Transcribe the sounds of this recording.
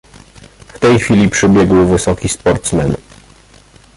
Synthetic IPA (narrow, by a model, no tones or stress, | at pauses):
ft̪ɛjxfʲilʲipʂɘbʲjɛɡwvɘsɔkʲispɔɾt̪smɛn